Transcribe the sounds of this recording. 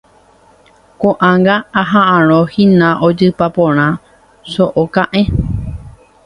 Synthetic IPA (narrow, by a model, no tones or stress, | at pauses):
kõʔãŋɡaːɦãʔãɾ̃õhĩnãʔod͡ʒɨpapõɾ̃ã | soʔokãʔẽ